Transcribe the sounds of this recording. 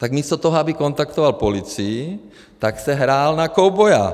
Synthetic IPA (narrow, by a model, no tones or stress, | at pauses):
t̪aɡmiːst̪ɔt̪ɔɦɔabikɔnt̪akt̪ɔʋalpɔlit͡sii | t̪aksɛɦɾaːlnakɔʊbɔja̰